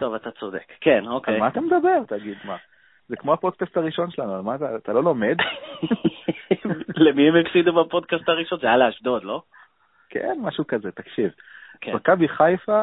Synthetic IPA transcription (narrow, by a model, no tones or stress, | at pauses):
t̪o̞vat̪at͡sod̪ḛkːenokejmaːt̪amed̪abe̞ʁt̪aɡid̪ma | zekmo̞apo̞d̪̚kast̪aʁiʃo̞nʃelanualmaːt̪aːt̪alo̞lo̞me̞d̪ | lemiemefsid̪ubapo̞d̪kast̪aʁiʃo̞nzealaaʃd̪od̪lo̞ | kʰḛnmaʃukazet̪akʃiv | kemakabiχajfa